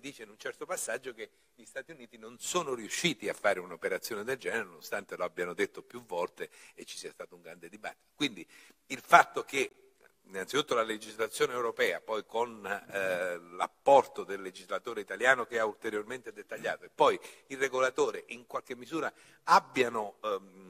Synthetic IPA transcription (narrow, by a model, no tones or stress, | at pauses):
d̪iːt͡ʃeinunt͡ʃɛrt̪opasːad͡ʒːoke | ʎist̪aːt̪iuniːt̪inonsoːnoɾiuʃːiːt̪iafːaːɾeunopeɾat̪sːjoːned̪eld͡ʒɛːneɾenoost̪ant̪eloabːjanod̪et̪ːopjuvːɔlt̪eet͡ʃːi̥siast̪aːt̪oʊuŋɡɾand̪ed̪iba̰t̪ːi̥t̪o̥kwind̪iilfat̪ːoke | inːantsit̪ut̪ːolaled͡ʒizlat̪sːjoːneewɾopɛːapɔjkon | la̰pːɔrt̪od̪elːed͡ʒizlat̪oːɾeit̪aljaːnokeault̪eɾjorment̪ed̪et̪ːaʎːa̰ːt̪oepːɔjireɡolat̪oːɾeʔiŋkwalk̟emːizuːɾa | abːjano